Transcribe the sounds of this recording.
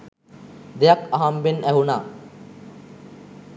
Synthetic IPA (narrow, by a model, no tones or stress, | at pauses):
d̪ejakaɦambenæɦuna